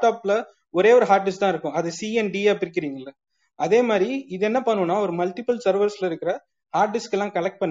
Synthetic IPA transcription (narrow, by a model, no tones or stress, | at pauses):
ʈaːpɪlɐ | ɔɾeːɔɾɯɦaːɾʈ̚ɖɪsʈt̪ãːɪɾɯkːʊ̃ɐðɐsiɛnɖiaːpɪɾɪk̬ːɪɾiːŋɡɐɪlːɐ | ɐðeːmaːd̪ɾiɪðɛnːɐpɐɳːɯ̃nːaːɔɾɯmɐlʈ̪ɪpɐlsɐɾʋɐɾslɐɪɾɯkːɪɾɐ | haːɾʈ̚ɖɪskːɛlːãːkɐlɐk̚ʈ̚pɐnː